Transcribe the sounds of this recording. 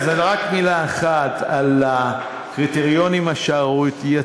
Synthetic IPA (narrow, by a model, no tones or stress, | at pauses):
zalʁakmilaeχat̪ala | kʁit̪eʁijo̞nimaʃaʁut̪ja